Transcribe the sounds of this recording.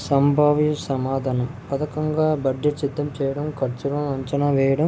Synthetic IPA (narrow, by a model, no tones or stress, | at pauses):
sɐmbʱaːʋjɐsɐmaːd̪ʱaːnɐmpɐðɐkːɐŋɡaːbɐɖd͡ʒɐʈt͡ʃit̪ːɐmt͡ʃɛːjɐɽɐmkɐɾt͡ʃuɾɐmɐɲt͡ʃɐnaːʋɛːjɐɽɐm